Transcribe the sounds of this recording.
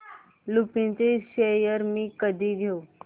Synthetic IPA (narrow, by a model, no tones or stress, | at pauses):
lupĩnt͡seʃejəɾmĩkəd̪ʱiɡʱeu